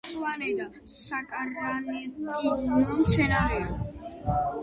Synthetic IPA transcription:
sʼvanɛd̪a | sakʼaɾanɛt̪ʼinɔmt̪sʰɛnaɾɛa

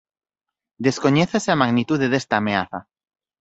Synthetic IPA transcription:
d̪eskoɲeθeseamaɣnit̪uðeðest̪aːmeaθa

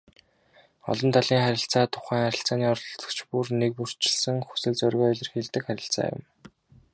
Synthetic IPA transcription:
ɔ̰ɮɞ̆nt̪ʰaɮiːŋχæɾʲɪ̆ɬt͡saːt̪ʰʊ̥χæːŋχæɾʲɪ̆ɬt͡saːniːɔɾt̪ɞ̥̆kt͡ɕʰpurnek̚pur̥t͡ɕɪ̥̆ɮsɘ̆ŋxu̥sɘ̆ɮt͡sœɾʲɣʲɔːɮʲɪ̆rxeɮt̪ɘ̆kχæɾʲɪ̰̆ɬt͡sa̰ːjʊ̰m

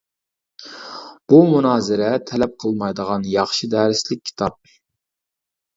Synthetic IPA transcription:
b̥umunɑːzɪɾɛt̪ʰɛlɛp̚qʰəlˠmɑjd̪əʁɑnjɑχʃɨd̪ɛːɾɪslɪk̚ʲʰːi̥t̪ʰɑp̚

